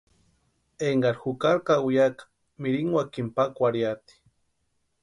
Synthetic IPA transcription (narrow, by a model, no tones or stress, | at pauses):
eŋɡaɾxukaɾkawijakḁ | miɾiŋwakimpakʷaɾjat̪i̥